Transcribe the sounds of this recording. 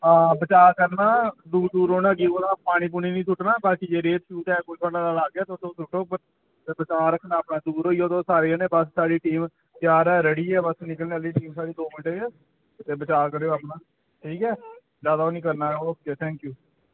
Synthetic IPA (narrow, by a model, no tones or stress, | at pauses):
abət͡ʃaːɾkəɾnaːd̪uːɾd̪uːɾoːnaːɡiːoːnaːpaːɽ̃iːp̬uːniːnĩːsʰʊʈnaːbaːkid͡ʒeːɾeːt̪ʃuːʈ̪ɛːkoiːkʰəɽaːlalaːɡjaːt̪eʊt̪ːoːt̪ʰʊʈoːpəɾ | t̪eːbət͡ʃaːɾəkʰːnaːəpnaːd̪uːɾoːiːoːt̪õːsaːɾeːɛːnẽːbəsːaːɽiːʈiːm | p̪jaːɾɛːɾəɽiːɛːbəsnɪkəlneːəliːʈiːmsaːɽeːd̪oːmɪnʈeː | t̪eːbət͡ʃaːɾkəɾeːoaːpnaː | ʈʰiːkɛː | d͡ʒjaːd̪aoːnĩːkəɾnaːoeːt̪ʰɛ̃ːŋkjuː